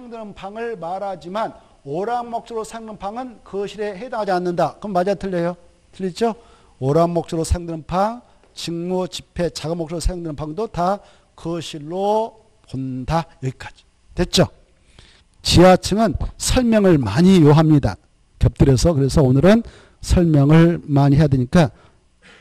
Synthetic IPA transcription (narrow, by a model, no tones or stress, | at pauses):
ajŋdɯnɯnpʰaŋɯɭmaɾɦad͡ʑiman | oɾaŋmok̚t͡ɕ͈ʰoɾosʰajŋnɯnpʰaŋɯnkɯɕʰiɾe̞ɦedaŋɦad͡ʑianːɯndakɯmːad͡ʑatʰɯɭːejo | tʰɯʎːid͡ʑo | oɾaŋmok̚t͡ɕ͈ʰɯɾosʰajoŋdɯnɯnpʰaŋ | t͡ɕiŋmot͡ɕipʰe̞t͡ɕaɡɯmːokt͡ɕ͈ʰɯɾosʰajoŋdɯnɯnpʰaŋdota | kɯɕʰiɾːo | pondajʌɡik͈ad͡ʑi̥ | twe̞t̚t͡ɕ͈o | t͡ɕiat͡ɕʰɯŋɯnsʰʌɭmjʌŋɯɭmaɲijoɦamɲida̰ | kjʌp̚t͈ɯɾe̞sʰʌkɯɾe̞sʰʌonɯɾɯn | sʰʌɭmjʌŋɯɭmaɲiɦejadweɲik͈a